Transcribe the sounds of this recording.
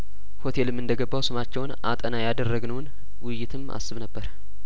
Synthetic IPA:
ho̞t̪ʰe̞lɨmːɨnd̪əɡəbːawsɨmat͡ʃːɛwnʔa̰t̪ʼənajad̪ərːəɡnəwn | wɪjːɪt̪ʰɨmʔa̰sːɨβnəbːəɾ

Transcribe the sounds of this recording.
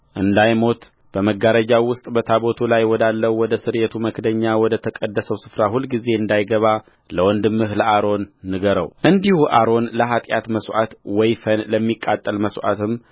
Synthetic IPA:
ʔɨnd̪ajmo̞t̪ | b̥əməɡaɾəd͡ʒawʊst̪ʼbət̪ʰaβo̞t̪ʰulajwɔd̪alːəwɔd̪əsɨɾet̪ʰuməkʰd̪əɲːawɔd̪ət̪ʰəkʼəd̪ːəsəwsɨ̥fɾahulɡize̞ɨnd̪ajɡəβa | ləwɔnd̪ɨmːɨɦləʔaɾo̞nːɨɡəɾə̰wʔɨnd̪ihuʔa̰ɾo̞nləɦat̪ʼjat̪məsʔat̪wɔjfənləmːikʼːat̪ʼːəlməswʔa̰t̪ʰɨm

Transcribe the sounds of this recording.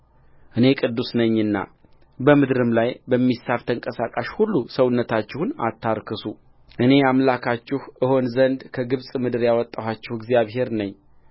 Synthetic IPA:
ʔɨne̞kʼɨd̪ːusnəɲːɨnːa̰ | bəmɨd̪ɾɨmlajbəmːisːaβt̪ʰəɨŋkʼəsakʼaʃhulːusəwnːət̪ʰat͡ʃːɪhuna̰t̪ʰːaɾkʰɨsu | ʔɨne̞amlakʰat͡ʃːɪhʔɨho̞nzənd̪kʰəɡɨβsʼmɨd̪ɨɾjawɔt̪ʼːawat͡ʃːɪhɨɡzijaβɦe̞ɾnəɲː

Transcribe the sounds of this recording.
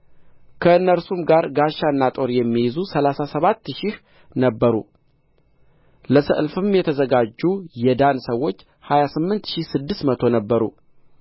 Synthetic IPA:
kʰəɨnːəɾsumɡaɾɡaʃːaɨnːat̪ʼo̞ɾjɛmːijɛzusəlasasəβat̪ːʃɪh | nəbːəɾṵ | ləsə̰ʔɨlfɨmjɛt̪ʰəzəɡad͡ʒːujɛd̪ansəwːo̞t͡ʃː | hajasɨmːɨnt̪ʃihsɨd̪ːɨsmət̪ʰo̞nəbːəɾṵ

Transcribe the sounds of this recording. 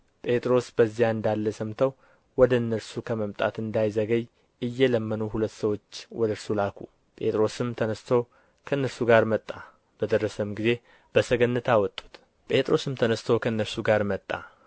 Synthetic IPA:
pʼe̞t̪ʼɾo̞sbəzːijaɨnd̪alːəsəmt̪ʰəw | wɔd̪əɨnːəɾsukʰəməmt̪ʼa̰t̪ɨnd̪ajzəɡəɲ | ɨjːɛləmːənuɦulət̪ːsəwo̞t͡ʃːwɔd̪əɾsulakʰu | pʼe̞t̪ʼɾo̞sɨmt̪ʰənəst̪ʰow | kʰənːəɾsuɡaɾmət̪ʼːa | b̥əd̪ərːəsəmɡize̞ | b̥əsəɡənːɨt̪ʰawɔt̪ʼːu̥t̪ | pʼe̞t̪ʼɾo̞sɨmt̪ʰənəst̪ʰəwkʰənːəɾsuɡaɾmət̪ʼːa̰

